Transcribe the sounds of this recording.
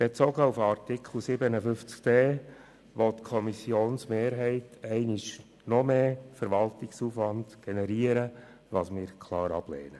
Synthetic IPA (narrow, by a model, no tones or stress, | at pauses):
b̥et͡soɡəufɑrtɪkχl̩ˠsɪbənəfʏft͡skdeː | ʋɔtkʰɔmisjoːnsmeːɾɦɛɪtɛɪnɪʃ | nɔmeːfɛɾʋɑltɪksuːfʋɑndɡ̥ɛnɛɾiːəɾə | ʋɑːsmɪːɾkʰlɑːɾɑ̰b̥lɛ̰ːnə